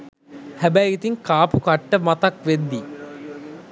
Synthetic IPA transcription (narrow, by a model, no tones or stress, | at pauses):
hæbæjɡit̪iŋkaːpukɐʈːəmɐt̪ɐkʋed̪ːi